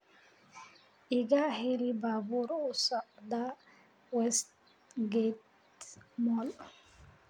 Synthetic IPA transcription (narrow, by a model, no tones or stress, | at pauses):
ʔiɡaheɾibabuɾɔsaʔda | wɛst | ɡet | mɔl